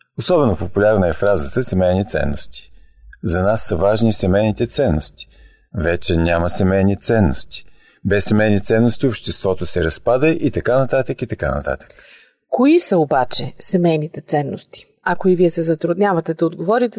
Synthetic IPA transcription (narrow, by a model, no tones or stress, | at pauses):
osɔbɛnopopulʲaɾnəɛfɾazət̪əsɛmɛjnit̪sɛ̰nːo̰st̪i̥ | zɐnasːəvaʒnisɛmɛjnit̪ɛt̪sɛnːost̪i̥ | vɛt͡ʃɛnʲaməsɛmɛjnit̪sɛnːo̰st̪i̥ | bɛsːɛmɛjnit̪sɛnːost̪iopʃt̪ɛst̪vɔt̪osɛɾɐspad̪əʔit̪ɐkanɐt̪at̪əkit̪ɐka̰nɐ̰t̪a̰t̪ə̥k | koisəobat͡ʃɛsɛmɛjnit̪ɛt̪sɛnːost̪i̥ | ɐkoiviɛsɛzɐt̪ɾʊd̪nʲavɐt̪ɛd̪ɐod̪ɡovɔɾit̪ɛ